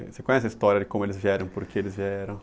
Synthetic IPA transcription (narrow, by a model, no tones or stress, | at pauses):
sekõɲ̃ɛs̬ɪɐist̪ɔɾʲjɐd͡ʒɪkõmʊelɪzviɛɾɐ̃w̃poɾkeelɪzviɛɾɐ̃